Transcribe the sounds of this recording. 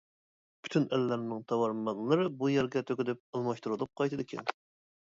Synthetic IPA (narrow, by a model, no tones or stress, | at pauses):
pʰy̥t̪ʰynælːæɾnɪŋt̪ʰɑwɑɾmɑnlˠɨɾɨbujæɾɡʲɛt̪ʰøkʲɪd̪ɪp̚əlˠmɑʃt̪uɾɨlˠəp̚qʰɑjt̪ʰɨd̪ɪkʲʰɛ̰n